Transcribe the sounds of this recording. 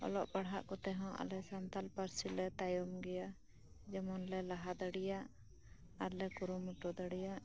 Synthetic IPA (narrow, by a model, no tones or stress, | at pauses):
ɔ̰lɔʔbaɽɦaʔkɔt̪ɛɦɔ̃ʔa̰lɛsant̪alpaɾsilɛt̪ajɔmɡɛja | d͡ʒɛmɔnlɛlaɦad̪aɽijaʔ | aɾlɛkuɾumuʈɔd̪aɽijaʔ